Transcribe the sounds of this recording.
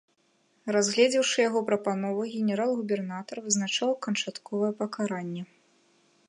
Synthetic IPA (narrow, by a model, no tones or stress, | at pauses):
razɣlʲɛd͡zʲɛwʂɨjaɣɔpɾɐpanɔvɐɣʲɛnʲɛɾalˠɣubʲɛrnat̪ɐrvɨznat͡ʂawkɐnt͡ʂat̪kɔvɐjɛpɐkaɾanʲːɛ